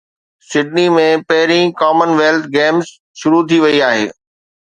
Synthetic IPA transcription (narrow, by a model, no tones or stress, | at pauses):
sɪɖnimẽpɐɦɪɾĩkaːmənʋeːlt̪ʰɡeːmz | ʃʊɾut̪ʰiʋɐiaːɦḛː